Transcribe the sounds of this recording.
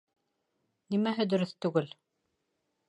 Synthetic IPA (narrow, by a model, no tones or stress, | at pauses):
nimæɦɘd̪ɵ̆ɾɵθt̪ʉɡɘl